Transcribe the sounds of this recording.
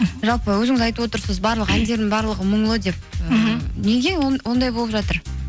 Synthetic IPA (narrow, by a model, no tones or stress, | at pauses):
ʒɑlˠpəwɵzɪŋɪzɑjt̪əwo̞t̪əɾsəzbɑɾlˠəqænd̪e̞ɾd̪ɪŋbɑɾlˠəʁəməɴlˠəd̪e̞p̚əneɡʲewo̞nd̪ɑjbolˠəpʒɑt̪əɾ